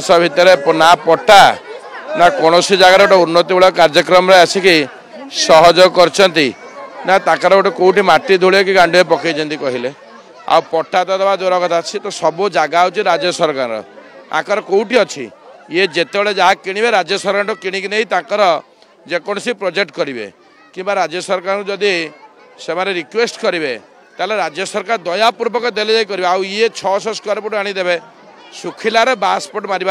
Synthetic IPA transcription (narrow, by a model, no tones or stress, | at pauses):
sɔbʱit̪ɔɾepnapɔʈa | nakɔɽ̃ɔsid͡ʒaɡaɾeoʈɔunːɔt̪ibeɭɔkaɾd͡ʒɔkɾɔmɔɾɔeat͡ʃʰiki | sɔɦɔd͡ʒɔkɔɾt͡ʃʰɔnt̪inat̪ãkaɾɔoʈɔkowʈimaʈːid̪ʱuɭekiɡaɳɖuepɔkajt͡ʃʰɔnt̪ikɔɦile | a̰wpɔʈat̪ɔd̪ɔbad̪oɾɔkɔt̪ʰat͡ʃʰit̪ɔsɔbud͡ʒaɡaːwt͡ʃʰiɾad͡ʒjɔsɔɾkaɾɾɔ̰ | ã̰kɔɾɔkowʈiɔt͡ʃʰḭjed͡ʒet̪ebeɭed͡ʒaɦakiɽ̃ibeɾad͡ʒjɔsɔɾkaɾʈɔkiɽ̃ikneɦit̪ãkɔɾɔ | d͡ʒekɔɽ̃ɔsipɾɔd͡ʒek̚ʈkɔɾibḛ | kimbaɾad͡ʒjɔsɔɾkaɾkud͡ʒɔd̪i | semaɾeɾikwesʈkɔɾibe | t̪aeleɾad͡ʒjɔsɔɾkaɾd̪ɔjapuɾbɔkɔd̪eled͡ʒejkɔɾibeawiet͡ʃʰɔsɔskaɾpuʈaɽ̃id̪ebe | sukʰilaɾebaspoʈmaɾiba